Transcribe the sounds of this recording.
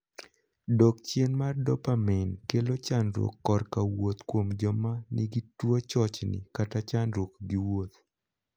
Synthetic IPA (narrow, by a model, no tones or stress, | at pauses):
dɔkt͡ʃenmardɔpamɛnkelot͡ʃanɾwo̰kːɔrkawot̪kwomd͡ʒɔmanɪɡitwot͡ʃɔt͡ʃnɪ̰katat͡ʃanɾwokɡiwot̪